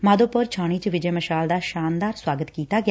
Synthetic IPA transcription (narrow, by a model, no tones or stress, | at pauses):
maːd̪oːpʊɾt͡ʃʰaːɽ̃iːt͡ʃəʋɪd͡ʒɛːməʃaːld̪aːʃaːnd̪aːɾswaːɡət̪kiːt̪aːɡɪa